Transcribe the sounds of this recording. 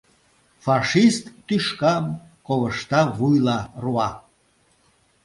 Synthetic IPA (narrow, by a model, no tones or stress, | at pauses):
fɑʃist̪ːyʃkɑm | koβəʃt̪ɑvujlɑruɑ